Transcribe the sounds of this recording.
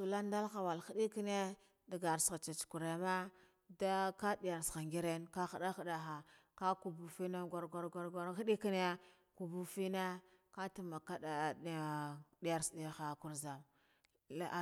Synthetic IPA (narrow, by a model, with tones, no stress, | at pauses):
su˨la˦n˦da˦lxa˨wa˨lxi˦ɗi˦ki˦ne˦ | da˨ɡa˨ɾsɣa˨t͡ʃa˨t͡ʃku˨ɾe˨ma˦ | da˦ka˦di˨ja˨ɾsxa˨ŋɡi˦ɾe˦nka˦xa˨ɗa˦xa˨da˨xa˨ka˦ku˨bu˨fi˦na˦ɡa˦ɾɡa˦ɾɡa˦ɾɡa˦ɾxi˦ɗi˦ki˦n˦a˦ | ku˨bu˦fi˦na˦ | ka˦ti˦ma˨ka˦a˨ | di˦ja˨ɾsdi˨xa˨ku˨ɾza˨m˦˨